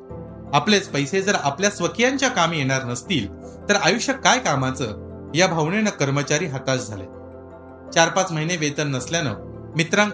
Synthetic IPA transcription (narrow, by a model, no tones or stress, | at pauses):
aplet͡spəjsed͡zəɾapljasʋəkʰijaɲt͡ɕjakamjeɽ̃aɾnəst̪iːl | t̪əɾajuʂjəkajkamat͡sə | jabʱəwɳenəkəɾmət͡ɕaɾiːɦat̪asd͡zʱalḛ | t͡ɕaɾpat͡sməɦineʋet̪ənːəsljanə̰ | mit̪ɾãŋɡ